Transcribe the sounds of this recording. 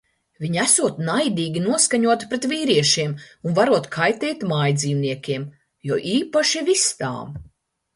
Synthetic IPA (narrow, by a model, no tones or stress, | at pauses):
vʲiɲæsuɔt̪najd̪iːɡʲinuɔskaɲuɔt̪pɾet̪viːɾiɛʃiɛmunvaɾuɔt̪kʰajt̪ɛːjt̪maːjd̪ziːwniɛkʲiɛm | jɔːʔiːpaʃivist̪a̰ːm